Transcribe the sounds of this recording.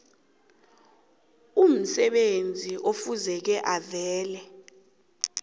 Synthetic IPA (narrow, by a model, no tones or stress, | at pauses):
um̩sɛɓend͡zʱiʔofuzɛk̬ɛʔavɛːlɛ